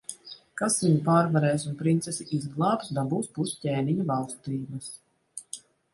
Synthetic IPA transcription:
kasviɲupaːɾvaɾɛːsunpɾint̪sɛsiʔizɡlˠaːpsd̪abuːspuscʲeːniɲuvalˠst̪ɾiːbɐs

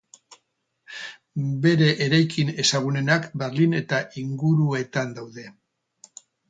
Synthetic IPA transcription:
be̞ɾe̞ʔːɾajkʰine̞saɣ̞une̞nakbe̞ɾline̞t̪aʔiŋɡuɾue̞t̪and̪awðe̞

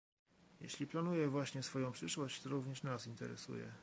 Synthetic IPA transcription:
jḛɕlʲiplanujɛvwaɕɲɛsfɔjɔ̃w̃pʂɘʂwɔɕt͡ɕt̪ɔɾuvɲɛʂnasint̪ɛɾɛ̰sṵjɛ̰

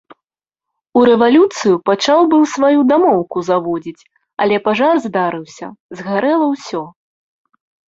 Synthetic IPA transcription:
uɾɛvalʲut̪sɨjupat͡ʂawbɨwsvajud̪amɔwkuzavɔd͡zʲit͡sʲ | ɐ̰lʲɛpaʐarzd̪aɾɨwsʲɐ̰zɣaɾɛlˠɐwsʲɔ

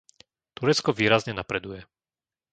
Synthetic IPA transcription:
t̪uɾɛt͡skɔʋiːɾazɲɛnapɾɛd̪ujɛ

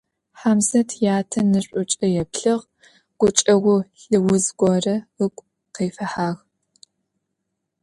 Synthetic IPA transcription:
ħamzɐtʰjaːtʰɐnɨɕʷʼʊt͡ʃʼɐjɛpɬɨʁ | ɡ̥ʷʊt͡ʃʼɐʁʷʊɬɨwʊzɡʷɔrɐɨkʷʼ | qeːfɐħaːʁ

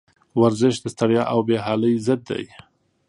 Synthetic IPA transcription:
waɾzɪʃd̪əst̪aɽjɑʔawbeɦɑləjzəd̪ːa̰j

